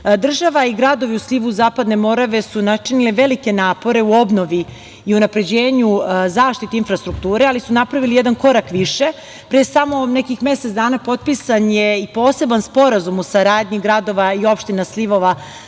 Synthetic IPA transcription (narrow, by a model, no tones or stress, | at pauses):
d̪r̩ʒaʋaiɡɾad̪o̞ʋiusliʋuzaːpad̪ne̞mo̞ɾaʋe̞sunat͡ʃinileʋelike̞naːpo̞ɾe̞uo̞bno̞ʋi | iunapɾe̞d͡ʑe̞ːɲuzaːʃt̪it̪einfɾast̪ɾuk̚t̪uːɾe̞alisunapɾaʋilijed̪anko̞ɾakʋiʃe̞ | pɾesamo̞ne̞kixme̞set̪d̪aːnapo̞t̪̚pisanjeipo̞ːse̞banspo̞ɾazumusaɾaːd̪ɲiɡɾad̪o̞ʋaio̞pʃt̪inasliʋo̞ʋa